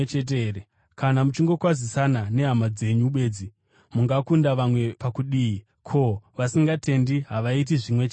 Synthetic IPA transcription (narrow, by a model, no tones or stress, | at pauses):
t͡ʃet̬eɾe | kanamut͡ʃiŋɡo̞kwazisanane̞ɦamad͡ze̞ɲuɓe̞ːd͡zi | muŋɡakundaʋamwe̞pakuɗii | kʰo̞ʋasiŋɡatʰe̞ndiɦaʋait̬iʐimwe̞t͡ʃe